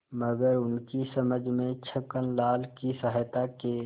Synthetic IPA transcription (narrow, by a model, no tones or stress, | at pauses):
məɡəɾʊnkisəməd͡ʒʱmẽt͡ʃʰəkənlaːlkisəɦət̪ake